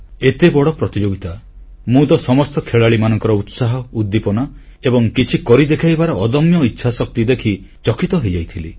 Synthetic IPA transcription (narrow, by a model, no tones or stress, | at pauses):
et̪ebɔɽɔpɾɔt̪id͡ʒoɡit̪a | mũt̪ɔsɔmɔst̪ɔkʰeɭaɭimanɔŋkɔɾɔut̪saɦɔud̪ːipɔnɔ | ebɔŋkit͡ʃʰikɔɾid̪ekʰajbaɾɔːd̪ɔmjɔitːʃʰasɔk̚t̪id̪ekʰi | t͡ʃɔkʰit̪ɔɦejd͡ʒajt̪ʰili